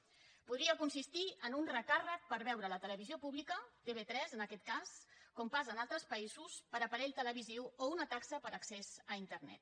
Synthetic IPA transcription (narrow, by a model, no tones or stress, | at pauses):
puðɾiəkunsist̪iənunrəkarək̚pəɾβɛwɾələt̪ələβ̞iziopuβlikət̪eβet̪ɾɛzənəkɛt̪̚kaskompazənalˠt̪ɾəspəizuspəɾəpəɾɛʎt̪ələβ̞iziwounət̪aksəpəɾəksɛzəint̪əɾnɛ̰t̪̚